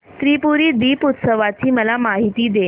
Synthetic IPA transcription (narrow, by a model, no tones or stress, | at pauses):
t̪ɾipuɾiːd̪iːput̪səʋat͡ɕiːməlamaɦit̪iːd̪e